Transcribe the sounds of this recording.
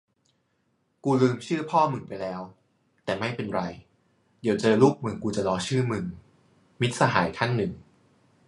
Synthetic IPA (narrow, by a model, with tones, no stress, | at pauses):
kuː˧lɯː˧mt͡ɕʰɯː˥˩pʰɔː˥˩mɯ˨˩˦ŋpa˧jlɛː˦˥w | t̪ɛː˨˩ma˥˩jpe˧nɾa˧j | di˩˦wt͡ɕɤ˧luː˥˩k̚mɯ˧ŋkuː˧t͡ɕa˨˩lɔː˧t͡ɕʰɯː˥˩mɯ˧ŋ | mi˦˥t̪̚sa˧ɦaː˩˦jkʰa˥˩nːɯ˨˩ŋ